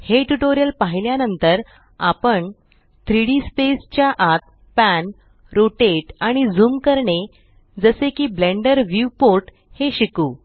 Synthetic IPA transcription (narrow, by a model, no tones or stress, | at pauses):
heʈuʈoɾjəlpaɦiljanənt̪əɾ | apəɳ | t̪ɾiɽispest͡ɕjaʔat̪̚ | pæn | ɾoʈeʈaɽ̃id͡zuːmkəɾɳe | d͡zəsekiːbleɳɖəɾʋupoɾʈ | heɕikuː